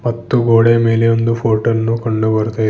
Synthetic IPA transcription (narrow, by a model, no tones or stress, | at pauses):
mɐt̪ːuɡoːɽemeːleond̪upʰoːʈɐnːukɐɳɖubɐɾut̪ɐ